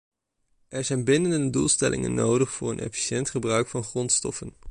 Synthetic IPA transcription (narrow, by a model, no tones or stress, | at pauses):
ʔɛɹzɛjnbɪnəndəndədulˠstɛlʔɪ̰ŋə̰nːowdəχfʊːɹənʔɛ̰fi̥ʃɛntχəbrœɥkfɑnχrɔntstɔ̰fən